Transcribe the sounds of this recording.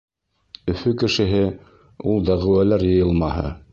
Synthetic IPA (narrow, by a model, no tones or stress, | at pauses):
ɵ̆fɵkɘ̆ʃɘ̆ɦɘ | ulˠd̪æʁɘ̆wælæɾjɤ̆jɤlˠmɑɦɤ̰